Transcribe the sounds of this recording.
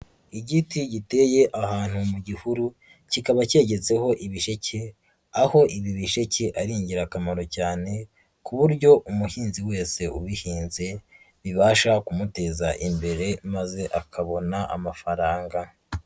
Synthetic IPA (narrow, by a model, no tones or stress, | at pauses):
iɟitiɟite̞je̞ʔahaːn̥humuɟihuɾu | cikaβace̞ːɟe̞t͡se̞ho̞ʔiβiʃe̞cʰe | aho̞ʔiβiβiʃe̞ceʔaɾiːɲɟiɾakamaɾo̞caːne̞ | kuβuɾɟo̞ʔumuhiːnziwe̞ːse̞uβihiːnze̞ | βiβaːʃakumute̞ːzaʔimbe̞ɾe̞maze̞ʔakʰaβo̞naʔa̰mafaɾaːŋɡa